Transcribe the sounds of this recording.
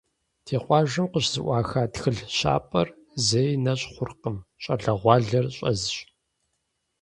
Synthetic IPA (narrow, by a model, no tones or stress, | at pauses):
tʰeːqʷɑːʒɨmqəɕzɨʔʷɑːxaːtxɨɮɕa̰ːpʼɐr | zejnɐɕʼχʷʊrqəmɕʼɐɮɐʁʷɑːɮɐrɕʼɐ̰zɨɕʼ